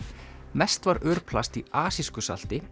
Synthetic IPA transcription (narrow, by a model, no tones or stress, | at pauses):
mɛst̪vaɾœːɾ̥pʰlast̪iaːsiskʏsa̰l̥t̪ɪ